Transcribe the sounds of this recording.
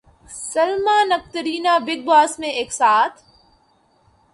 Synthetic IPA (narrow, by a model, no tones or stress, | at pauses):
sɐlmaːnɐk̚t̪əɾiːnaːbɪɡ̚baːsmẽeːksaːt̪ʰ